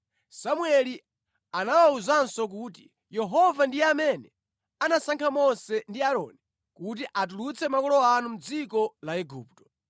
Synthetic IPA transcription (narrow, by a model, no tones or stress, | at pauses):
samuɛli | anawauzansɔk̬ut̬i | jɛɦɔvandijɛamɛnɛ | anasaŋkʰamɔsɛndiaɾɔ̰ni | kut̬iʔat̬ulut͡sʰɛmakɔlɔanum̩d͡zikɔlaɛɡṵːptɔ̥